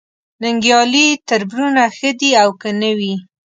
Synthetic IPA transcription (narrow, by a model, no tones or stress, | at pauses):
nɪŋɡjɑlit̪əɾbɾunaxəd̪iawkənəwi